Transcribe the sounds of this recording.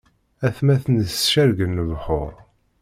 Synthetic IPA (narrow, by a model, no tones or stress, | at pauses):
æθmæθənsʃæɾɡənːəvħʊɾ